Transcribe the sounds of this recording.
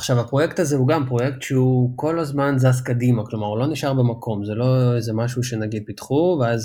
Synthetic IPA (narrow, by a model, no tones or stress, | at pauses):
aχʃavapʁo̞jekt̪azehuɡampʁo̞jektʃeuko̞lazmanzaskadimaklo̞maʁlo̞niʃaʁbemakʰo̞mzelo̞ezemaʃuʃe̞naɡid̪̚pitχuveaz